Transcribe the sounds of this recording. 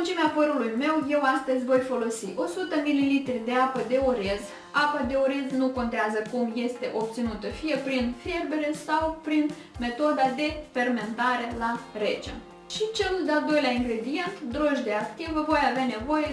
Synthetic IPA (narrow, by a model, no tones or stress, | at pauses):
nt͡ʃimeapəɾulujme̞wje̞wast̪əzʲvo̞jfo̞lo̞siʔo̞sut̪əmililit̪ɾid̪e̞apəd̪e̞oɾez | apad̪e̞oɾeznuko̞nt̪eazəkumje̞st̪e̞ʔo̞pt̪sinut̪əfije̞pɾinferbe̞ɾe̞sawpɾin | me̞t̪o̞d̪ad̪e̞fe̞rme̞nt̪aɾe̞laɾe̞t͡ʃḛ | ʃit͡ʃe̞lud̪eald̪o̞jleaiŋɡɾe̞d̪ije̞nt̪d̪ɾo̞ʒd̪e̞akt̪ivəvo̞javeane̞vo̞je̞